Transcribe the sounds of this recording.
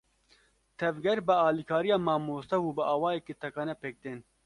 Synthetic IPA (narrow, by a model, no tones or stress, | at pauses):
t̪ʰɛvɡɛɾbɨɑːliːkʰɑːɾijɑːmɑːmoːst̪ɛwuːbɨʔɑːwɑːjɛkeːt̪ʰɛkɑːnɛpeːk̚d̪eːn